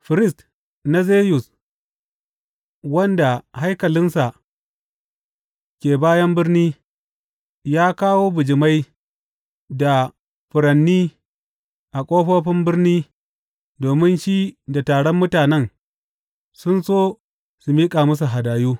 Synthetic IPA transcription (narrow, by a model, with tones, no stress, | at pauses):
ɸɪ˨ɾɪ˦˨st | na˦zeː˦jʊ˨s | wɐ˦nda˨ha˦jkɐ˨lɪ˦nsa˨ʔ | kʲeː˨baː˦jɐ˦mbɪ˦rniː˦ | jaː˦kaː˦woː˦bʊ˨d͡ʒɪ˨ma˦j | da˨ | ɸʊ˨ɽɐ˨nːiː˦ | ʔa˨kʷʼoː˦ɸoː˦ɸɪ˦mbɪ˦ɾniː˦ | doː˨mɪ˦nʃiː˦da˨taː˨ɽɔ˦mːʊ˦taː˨nɛ˦˨ŋ | sʊ˦nsoː˦ | su˨miː˦kʼa˨mɐ˦s̬u˨ɦa˨daː˨juː˦